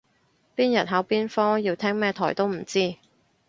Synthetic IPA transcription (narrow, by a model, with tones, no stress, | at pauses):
piː˥njɐ˨˩t̚ɦɐ˨˥wpiː˥nfɔː˥ŋjiː˧wt̪ʰɛː˥ŋmɛː˥t̪ʰɔː˨˩jt̪o˥wm̩˨˩t͡siː˥